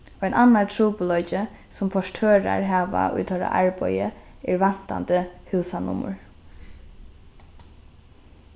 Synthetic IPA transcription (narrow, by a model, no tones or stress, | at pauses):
ɛjnanːatʰɾuːpʊlɔjt͡ʃə | sʊmpʰɔʂʈʰøːɾa̰ɹɦaːʋa̰ʔʊ̰jt̪ʰɔɾa̰ʔaɹbɔjə | ɪɹʋan̥t̪a̰nt̪əhʉːsanʊ̰mʊ̰ɹ